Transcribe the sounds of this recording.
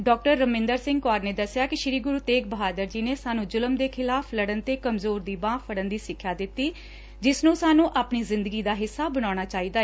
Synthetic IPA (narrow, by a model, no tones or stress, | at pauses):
ɖɔːk̚ʈəɾːəmɪ̃ːnd̪əɾsɪ̃ŋɡkaːɾneːd̪əsːɪjaːkɪʃɪɾiːɡʊɾuːt̪eːk̚bəɦaːd̪əɾd͡ʒiːneːsaːnũːd͡ʒʊləmd̪eːkʰɪlaːpʰləɽənt̪eːkəmzoːɾd̪iːbãːpʰəɽənd̪iːsɪkʰːaːd̪ɪt̪ːiː | d͡ʒɪsnũːsaːnũːʔaːpɳiːzɪ̃nd̪əɡiːd̪aːɦɪsːaːbəɽ̃aːɽ̃aːt͡ʃaːiːd̪aː